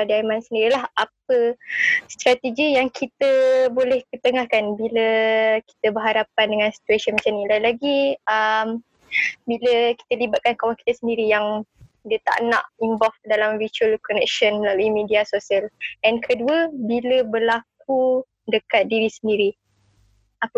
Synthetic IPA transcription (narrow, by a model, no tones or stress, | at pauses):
adiamãnsəndiɾilaɦʔap̚əst̪ɾat̪əɡijaŋkʰit̪əbolɛhkət̪əŋahkanbiləki̥t̪əbəɦaɾapandəŋansi̥t̪uasiənmat͡ʃamnilalaɡiəm | biləki̥t̪əlibat̪̚kankawaŋki̥t̪əsəndiɾijaŋdiət̪a̰ʔna̰ʔimbɔlfdalamvit͡ʃuəlkɔnɛk̚ʃɔnəlaluimidiasosiəlɛnkʰəduəbiləbərlak̚u | dəkat̪̚diɾisəndiɾi | apə